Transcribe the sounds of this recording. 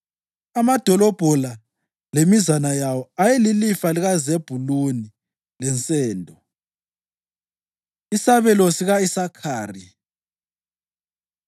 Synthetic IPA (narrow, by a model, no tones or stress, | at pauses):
amad̥ʱɔlɔb̥ʱɔla | lemizanajawɔajelilifaliɣazeb̥ʱuluni | lɛnt͡sʼɛːndʱɔ | isaβɛlosiɣaisakʰaːri